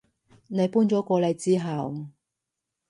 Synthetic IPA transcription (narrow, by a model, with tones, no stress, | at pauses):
ne˨˧jpuː˥nt͡sɔː˨˥kʷɔː˧lɐ˨˧jt͡siː˥ɦɐ˨w